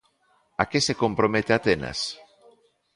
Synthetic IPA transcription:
akesekompɾomet̪eat̪enɐ̰s

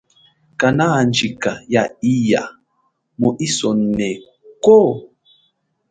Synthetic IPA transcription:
kanand͡ʒikajaija | moʔisɔnnɛ | ko

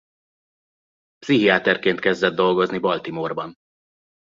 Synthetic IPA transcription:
psiɦiaːt̪ɛrkeːnt̪kɛzd̪ɛd̪ːo̞lɡo̞znibɒlt̪imorbɒn

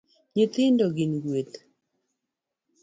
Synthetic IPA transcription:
ɲɪt̪ɪndoɡɪnɡwet̪

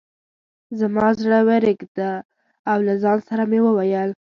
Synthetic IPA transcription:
zamɑzɽəweɾɪɡd̪aː | wlazɑnsaɾamewəwajəl

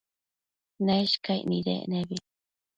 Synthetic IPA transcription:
neʃkajniɾḛʔneβi

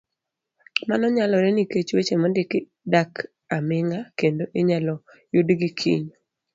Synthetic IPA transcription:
manɔɲalɔɾɛniket͡ʃwet͡ʃemɔndɪkɪ | dak | amɪŋakendoʔɪɲalɔ | judɡikʰḭɲ

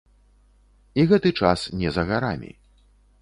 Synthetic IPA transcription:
iɣɛt̪ɨt͡ʂasnʲɛzɐɣaɾamʲḭ

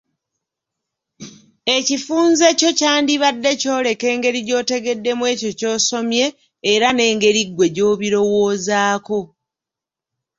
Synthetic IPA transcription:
e̞cifuːnze̞co̞caːndiβadːe̞co̞ːle̞ke̞ːŋɡe̞ɾiɟo̞ːte̞ɡe̞dːe̞mwe̞ːco̞co̞ːso̞mje̞ː | ɾane̞ːŋɡe̞ɾiɡːwe̞ɟo̞ːβiɾo̞woːzaːko̞

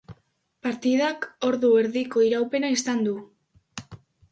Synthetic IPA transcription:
paɾt̪iðako̞ɾðue̞ɾðiko̞iɾawpe̞naisand̪u

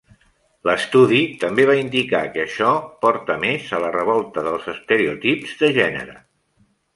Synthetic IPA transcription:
ləst̪uðit̪əmbeβ̞aind̪ika̰kəːʃɔpɔɾt̪əmezələrəβ̞ɔlˠt̪əðəlˠzəst̪əɾeut̪ipzðəʒɛnə̰ɾə̰

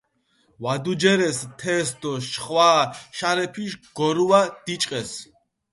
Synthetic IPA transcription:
wad̪ud͡ʒɛɾɛst̪ʰɛsd̪ɔʃχʼwaːʃaɾɛpʰiʃɡ̥ɔɾuwad̪̥it͡ʃʼqʼɛs

